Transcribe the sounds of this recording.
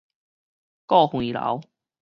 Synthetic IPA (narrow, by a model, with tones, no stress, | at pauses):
kɔ˥˨hwi˨˩la̰˨˦w